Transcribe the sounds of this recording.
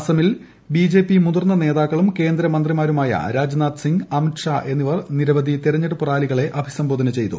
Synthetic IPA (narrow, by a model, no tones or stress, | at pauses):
sɐmil | biːd͡ʑe̞ːpːimud̪ɐrnːɐne̞ːðaːkːɐɭumke̞ːnd̪ɾɐmɐnd̪rimaːɾumaːjɐ̰ɾaːd͡ʑnaːd̪siŋɡɐmiʈʂaːʔe̞nːiʋɐrniɾɐʋɐd̪ʱit̪iɾɐɲːeɽupuraːliɣɐɭe̞ʔɐbʱi̥sɐmbʱo̞ːd̪ɐnɐt͡ɕe̞jt̪u